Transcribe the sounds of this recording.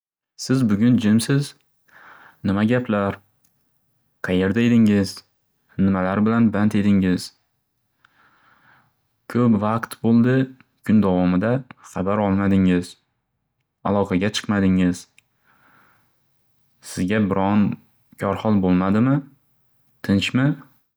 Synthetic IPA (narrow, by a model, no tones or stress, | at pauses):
sɪzbʊɡʲʊnd͡ʒɪmsɪz | nɪmaɡʲapʰlaɾ | qʰɑjeɾd̪aed̪ɪŋɪz̥ | nɪmalaɾbɪlanbant̪e̞d̪ɪŋɪz̥ | kʰɵpvaqt̪bolˠd̪ɪ | kʰʊnd̪avɒmɪd̪aχɑbaɾɒlˠmad̪ɪŋɪz̥ | alˠɒqʰɑɡʲat͡ʃʰɨ̥qmad̪ɪŋɪz | sɪzɡʲabɪɾɒn | kʲʰɒɾχɒlˠbolˠmad̪ɪmɪ | t̪ʰɪnt͡ʃmɪ